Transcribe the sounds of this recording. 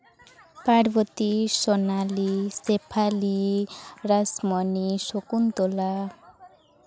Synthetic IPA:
paɽbʌt̪isɔnalisepʰali | rasmʌnisokunt̪ola

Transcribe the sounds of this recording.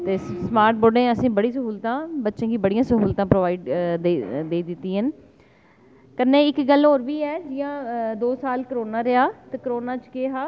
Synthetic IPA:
t̪eːsmaːɾʈ̚boːɖẽːəsĩːbəɽiːsəɦuːlt̪ãːbətːʃẽːkiːbəɽijãːsəɦuːlt̪ãːpɾoʋaːiːɖ̪ed̪eːd̪ɪt̪ːiːɦən | kənːẽːɪkɡəlɦoːɾʋiːɛːd͡ʒɪjãːd̪oːsaːlkəɾoːnaːɾɪaːt̪eːkəɾoːnaːt͡ʃkeːɦaː

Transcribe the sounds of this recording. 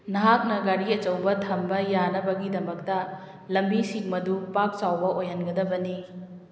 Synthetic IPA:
nɐɦak̚nɐɡɐɾiɐt͡ʃɐwbɐtʰɐmbɐjanɐbɐɡidɐmɐk̚tɐ | lɐmbisiŋmɐdupak̚t͡ʃawbɐʔojɦɐnɡɐdɐbɐni

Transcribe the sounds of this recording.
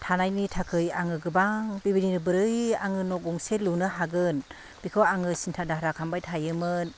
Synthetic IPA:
tʰanajnitʰakʰɯjaŋɯɡɯbaŋbibininɯbɯɾɯjaŋɯnɔk̚ɔŋselunɯɦaɡɯn | b̥ikʰɯwaŋɯsintʰadaɦɾakʰambajtʰajɯmɯn

